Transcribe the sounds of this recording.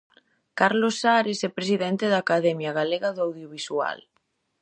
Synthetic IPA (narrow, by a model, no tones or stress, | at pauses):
kaɾlosaɾesɛpɾesiðɛnt̪eðaːkaðɛmjaɣaleɣaðoawðjoβiswa̰l